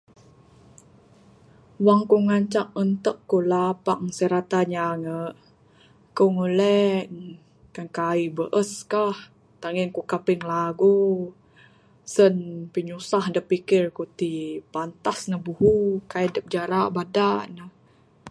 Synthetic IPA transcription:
waŋkoŋaɲt͡ʃaŋ̚ənt̪əkːolapaŋsəɾat̪aɲaŋəʔ | koŋuləŋ | kankaibəʔəskah | t̪aŋiŋkokapɪŋlaɡu | sənpiɲusahdəpikɪrkut̪ipant̪asnəhbuhukaidəp̚d͡ʒaɾaʔbadaʔnəh

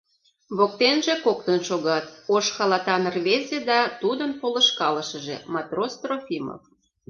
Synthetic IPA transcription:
βok̚t̪enʒĕkok̚t̪ənʃoɣɑt̪̚oʃxɑlɑt̪ɑnrβezʲed̪ɑt̪ud̪ənpolə̆ʃkɑləʃə̆ʒḛmɑt̪rost̪rofʲimo̰f

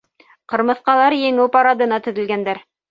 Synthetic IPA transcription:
qɤ̆ɾmɤ̆θqɑlˠɑɾjɘ̆ŋɘwpɑɾɑd̪ɤ̆nɑt̪ɵ̆ðɘ̆lɡænd̪æɾ

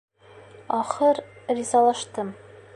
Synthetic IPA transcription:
ɒχɤɾrizɑlˠɑʃt̪ɤm

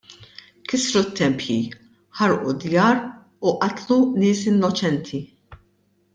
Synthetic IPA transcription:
kɪsɾut̪ːɛmpji | ħɐɾʔud̪jɐːɾ | uʔɐt̪lunɪːsɪnːɔt͡ʃɛnt̪ʰi

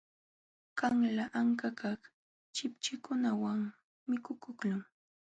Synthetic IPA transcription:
kaŋlaʔaŋkakɑχ | t͡ʃɪpt͡ʃɪkʊnawaŋ | mːɪkʊkʊklʊŋ

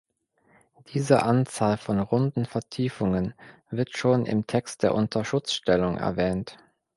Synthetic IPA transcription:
d̥iːzəʔant͡saːlfɔnʁʊndn̩fɛɐtʰiːfʊŋən | vɪɐtʃoːnʔɪ̰mtʰɛkst̚d̥eːɐʔʊntʰɐʃʊt͡sʃtɛlʊŋʔɛ̰ɐvɛːnt

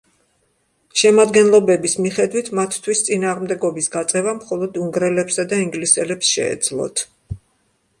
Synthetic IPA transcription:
ʃɛmad̪ɡɛnlˠɔbɛbismiχɛd̪wit̪ʰmat̪ʰːwist̪sʼinaːʁmd̪ɛɡɔbisɡat̪sʼɛvamχɔlˠɔd̪uŋɡɾɛlɛpsad̪aiŋɡlisɛlɛpsʃɛ̰ːd̪zlˠɔ̰t̪ʰ

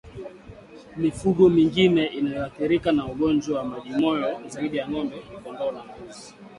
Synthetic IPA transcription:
mifuɡɔmiŋɡinɛʔinajɔaθiɾikanauɡɔnd͡ʒwawamaʄimɔjɔzaiɗijaŋɔmbɛikɔnɡɔnazi̥

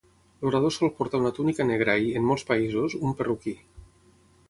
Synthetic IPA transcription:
loɾað̞osɔlˠpoɾt̪aunat̪unikaneɣ̞ɾaiemːɔlˠspaizuzumperuki

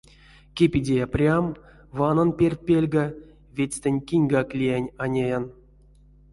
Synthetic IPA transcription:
kʲepʲidʲejaprʲam | vananpʲerʲt̪̚ʲpʲelʲɡa | vʲet͡sʲt̪enʲkʲinʲɡaklʲijanʲanʲejan

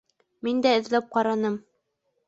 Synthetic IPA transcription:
mind̪æɘ̆ðlɤp̚qɑɾɑnɤm

